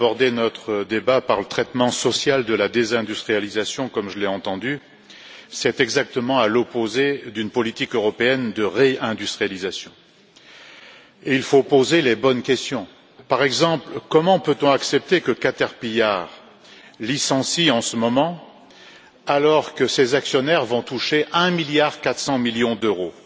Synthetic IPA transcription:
abɔʁd̪enɔt̪χəd̪ebapaʁlət̪χɛt̪mɑ̃sɔsjald̪əlad̪ezɛ̃d̪yst̪χijalizasjɔ̃kɔmʒəleɑ̃t̪ɑ̃d̪y | sɛt̪ɛɡzak̚t̪əmɑ̃alɔpozed̪ynpɔlit̪ikøʁɔpeɛnd̪əʁeɛ̃d̪yst̪χijalizasjɔ̃ | eilfopozelebɔnkʲɛst̪jɔ̃ | paʁɛɡzɑ̃plkɔmɑ̃pøt̪ɔ̃aksɛp̚t̪ekəkat̪ɛʁpijaʁ | lisɑ̃siɑ̃səmɔmɑ̃ | alɔʁkəsezaksjɔnɛʁvɔ̃t̪uʃeʔɛ̃miljaʁkat̪χsɑ̃miljɔ̃d̪øʁo

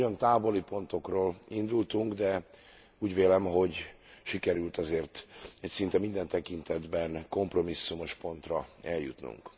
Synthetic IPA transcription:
ont̪aːvo̞lipo̞nt̪o̞kroːlind̪ult̪uŋɡd̪ɛ | uːɟʋeːlɛmɦo̞ɟ | ʃikɛɾylt̪ɒzeːrt̪ɛcsint̪ɛmind̪ɛnt̪ɛkint̪ɛd̪bɛnko̞mpro̞misːumo̞ʃpo̞n̪t̪rɒɛljṵt̪nṵŋk

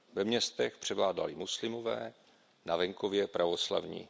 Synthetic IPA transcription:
vɛmɲɛst̪ɛxpr̝̥ɛvlaːda̰lɪmuslɪmo̞vɛː | navɛŋko̞vjɛpɾʔavo̞sla̰vɲḭː

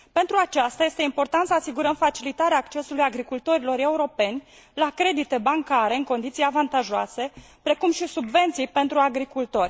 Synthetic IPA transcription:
pe̞nt̪ɾuat͡ʃast̪aje̞st̪e̞impo̞rt̪ant̪səasiɡuɾəmfat͡ʃilit̪aɾeaːkt͡ʃe̞sulujaɡɾikult̪o̞ɾilo̞ɾe̞uɾo̞pe̞nʲ | lakɾe̞d̪it̪e̞baŋkaɾe̞ɨŋko̞nd̪it̪sijavant̪aʒoa̰se̞ | pɾe̞kumʃisubve̞nt̪sijpe̞nt̪ɾuaɡɾikult̪o̞rʲ

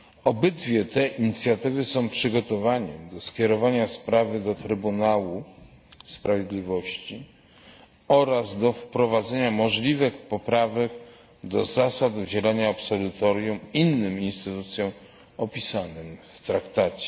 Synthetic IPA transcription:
ɔbɘd̪vʲjɛt̪ɛʔiɲit̪sʲjat̪ɘvɘsɔ̃w̃pʂɘɡɔt̪ɔvaɲɛd̪ɔskʲɛɾɔvaɲaspɾavɘd̪ɔt̪ɾɘbunawu | spɾavʲjed̪lʲivɔɕt͡ɕi | ɔɾazd̪ɔfpɾɔvad̪zɛɲamɔʐlʲivɘxpɔpɾavɛk | d̪ɔzasad̪ud͡ʑɛlaɲaɔpsɔlut̪ɔɾjuminːɘminst̪ɘt̪ut̪sʲjɔ̃w̃ | ɔpʲisanɘmft̪ɾakt̪at͡ɕɛ̥

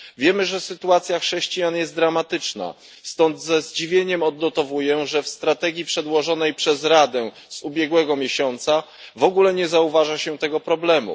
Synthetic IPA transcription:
vʲjɛmɘʐɛsɘt̪uat̪sʲjaxʂɛɕt͡ɕijanjɛst̪d̪ɾamat̪ɘt͡ʂna̰ | st̪ɔnd̪zɛzd͡ʑivʲjeɲɛmɔd̪nɔt̪ɔvujɛʐɛfst̪ɾat̪ɛɡʲjipʂɛd̪wɔʐɔnɛjpʂɛzɾad̪ɛ | z̥ubʲjɛɡwɛɡɔmʲjeɕɔnt̪sa | vɔɡulɛɲɛzauvaʐaɕɛt̪ɛɡɔpɾɔblɛmṵ

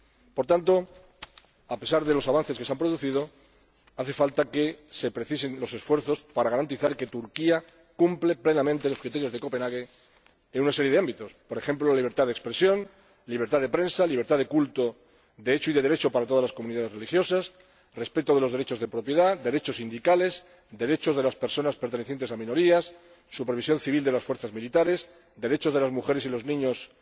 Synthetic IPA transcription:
po̞ɾt̪ant̪o̞ | ape̞saɾðe̞lo̞saβanθe̞ske̞seampɾoðuθið̞o̞ | aθe̞falt̪ake̞se̞pɾeθise̞nlo̞se̞sfwe̞ɾθo̞spaɾaɣaɾant̪iθaɾke̞t̪uɾkia | kumpleple̞namẽnt̪e̞lo̞skɾit̪e̞ɾjoð̞e̞ko̞pe̞naɣe | enunase̞ɾjee̞ambit̪o̞spo̞ɾe̞xe̞mplolaliβ̞e̞ɾt̪aðekspɾe̞sjo̞n | liβeɾt̪aðe̞pɾe̞nsaliβɾt̪aðekult̪o̞ | ðeet͡ʃoiðe̞ðeɾe̞t͡ʃopaɾat̪oazlaskomũniðaðerelixjo̞sas | re̞spe̞t̪o̞ðe̞lo̞zðeɾe̞t͡ʃo̞zð̞e̞pɾo̞pjeðad̪e̞ɾe̞t͡ʃo̞sind̪ikale̞s | d̪e̞ɾe̞t͡ʃo̞zð̞e̞laspeɾso̞naspeɾt̪e̞neθje̞nt̪e̞samĩno̞ɾiasː | upe̞ɾβ̞is̬jo̞nθiβ̞ild̪elasfweɾθazmilit̪aɾe̞s | d̪e̞ɾe̞t͡ʃo̞zðe̞lazmuxe̞ɾe̞silo̞znĩɲo̞s

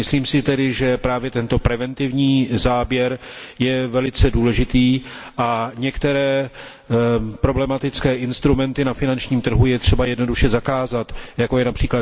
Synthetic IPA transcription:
mɪsliːmsɪt̪ɛdɪʒɛpɾaːvjɛt̪ɛnt̪o̞pɾɛvɛnt̪ɪvɲiːzaːbjɛɾjɛvɛlɪt͡sɛduːlɛʒɪt̪iːʔaɲɛkt̪ɛɾɛː | pɾo̞blɛmat̪ɪt͡skɛːʔɪnst̪ɾumɛnt̪ɪnafɪnant͡ʃɲiːmt̪r̩ɦujɛt̪r̝̥ɛbajɛdno̞duʃɛzakaːzat̪jako̞jɛnapr̝̥iːkla

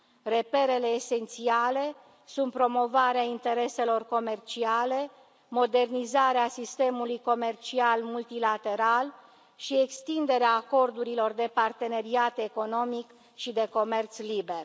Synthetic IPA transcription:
re̞pe̞ɾe̞le̞ːse̞nt̪siale̞ | sunt̪̚pɾo̞mo̞vaɾeaint̪e̞ɾe̞se̞lo̞rko̞me̞rt͡ʃiale̞ | mo̞d̪e̞rnizaɾeasist̪e̞mulujko̞me̞rt͡ʃialmult̪ilat̪e̞ɾal | ʃie̞kst̪ind̪e̞ɾeaːko̞rd̪uɾilo̞rd̪e̞part̪e̞ne̞ɾiat̪eko̞no̞mik | ʃid̪e̞ko̞me̞rt̪sliber

